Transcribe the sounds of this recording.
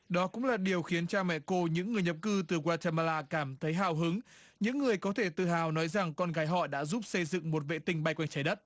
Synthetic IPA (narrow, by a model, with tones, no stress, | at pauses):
ɗɔ˨˦kʊ̰˧˥ŋ͡mlaː˨˩ɗi˨˩əwxi˨˦ənt͡ɕaː˧mɛ̰˧˨ko˧ɲɨ̰˧˥ŋːɨ˨˩əjɲə˨˩p̚kɨ˧t̪ɨ˨˩kwaː˧t͡ɕa˧ma˧laː˧kaː˧˩mt̪ʰə˨˦jɦaː˧˨˩wɦɨ˨˦ŋɲɨ̰˧˥ŋːɨ˨˩əjkɔ˨˦t̪ʰe˧˩t̪ɨ̰˧˨ɦaː˨˩wnɔ˨˦jza˨˩ŋkɔ˧nɣaː˨˦jɦɔ̰˧˨ɗa̰ː˧˥zu˦˥p̚sə˧jzɨ̰˧˨ŋmo˨˩t̚vḛ˧˨t̪ï˧ŋ̟ɓa˧jkwɛ˧jŋ̟t͡ɕaː˨˦jɗə˦˥t̚